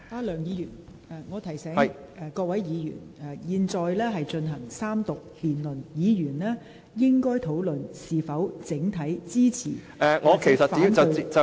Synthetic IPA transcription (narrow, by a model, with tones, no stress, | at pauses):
aː˧lœː˨˩ŋjiː˨˧jyː˨˩n | aː˨˧ŋɔː˨˧t̪ʰɐ˨˩jsɛː˨˥˨ɛ˨˧kɔː˧k̚wɐ˨˥jjiː˨˧jy̰ː˨˩nɛ˨jiː˧nt͡sɔː˨˧jlɛː˥ɦɐ˨jt͡ʃɵ˧nɦɐ˨˩ŋsaː˥mt̪ʊ˨k̚liː˨˩nlɵ˨˩njiː˨˧jyː˨˩nlɛː˥ | jɪ˥ŋkɔː˥jt̪ʰo˨˥wlɵ˨nsiː˨fɐ˨˥wt͡sɪ˨˥ŋt̪ʰɐ˨˥jt͡siː˥t͡sʰḭː˨˩ | ɛ˨ŋɔː˨˧kʰe˨˩jsɐ˨t̚fai˧˥˧t͡sɐ˨˧i˨t͡sɐ˨